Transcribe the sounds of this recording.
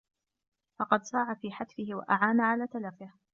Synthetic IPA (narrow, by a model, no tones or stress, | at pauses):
fɑqɑd̪sˤɑːʕafiːħad̪fɪhɪwa̰ʔaʕaːnaʕalaːt̪alafɪh